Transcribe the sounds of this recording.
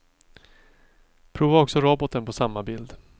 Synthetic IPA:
pʰɾuːvaɔksɔɾɔbɔt̪ənpʰɔsamːabɪld̪

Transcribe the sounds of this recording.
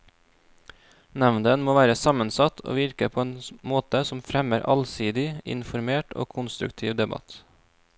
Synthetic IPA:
nɛʋnd̪ənmoːʋæːɾəsɑmənsɑt̪ʰo̰ːʋɪɾkəpʰoːeːnmoːt̪əsɔmfɾɛməɾʔɑ̰lsiːd̪ɪɪ̰nfɔɾmeːʈo̰ːkʰʊnst̪ɾʉ̰kt̪ʰiːʋd̪ɛbɑ̰t̪

